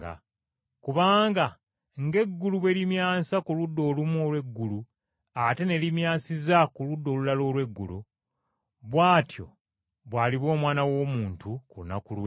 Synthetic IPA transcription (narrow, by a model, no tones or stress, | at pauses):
a̰ | kuβaːŋɡa | ŋɡe̞ɡːuluβwe̞ɾimjaːsakuludːo̞ːlumuo̞lwe̞ɡːulu | ate̞ne̞limjaːsizakuludːo̞ːlulalo̞ːlwe̞ɡːṵlu | βwaːtjo̞̰ | βwaːliβwo̞ːmwaːnawo̞ːmuːntukuuna̰kulw